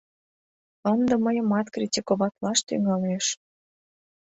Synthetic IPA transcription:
ənd̪ə̆məjə̆mɑt̪krʲitʲikoβɑt̪lɑʃt̪y̰ŋɑleʃ

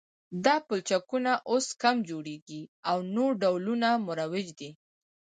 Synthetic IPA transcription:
d̪ɑpʊlt͡ʃakunaʔoskamd͡ʒoɽeɡiawnoɾɖawlunamʊɾawɪd͡ʒd̪i

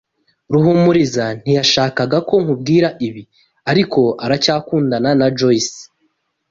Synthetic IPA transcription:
ɾuɦumuɾizan̥ijaʃaːkaɡako̞ŋ̥hub̚ɡiːɾaʔiβi | aɾiko̞ʔaɾacaːkuːndananad͡ʒois

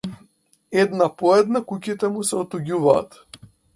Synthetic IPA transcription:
ɛd̪napɔɛd̪nakucit̪ɛmusɛɔt̪uɟuva̰ːt̪

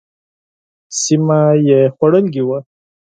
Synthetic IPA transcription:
simajexwaɽəlɡiwa

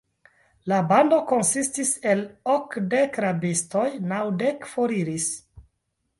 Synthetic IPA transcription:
labando̞ko̞nsistiselokdekɾabisto̞jnawdekfo̞ɾiɾis

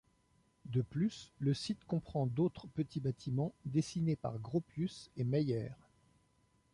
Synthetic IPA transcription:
d̪əplysləsit̪kɔ̃pχɑ̃d̪ot̪χəpət̪ʰibat̪ʰimɑ̃d̪esinepa̰ʁɡʁopysemɛjɛːʁ

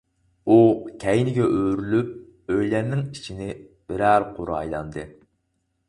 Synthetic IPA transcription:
ukʲʰɛjnɪɡʲɛʔøɾylyp̚ | øjlɛnnːɪŋit͡ʃʰinɪb̥ɪɾæɾqʰoɾɑ̰jlˠɑ̰nd̪ɨ

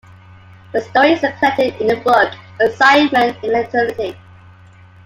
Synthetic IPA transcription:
ðəstɔɹizəpʰɛtɪdɪ̃nəbʌkəsaɪmə̃ntɪ̃nlɛ̃tʰɹɪlɪti

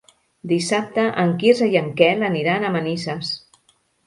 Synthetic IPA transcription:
d̪isap̚t̪əʔəŋkizəjəŋkɛləniɾanəmənisəs

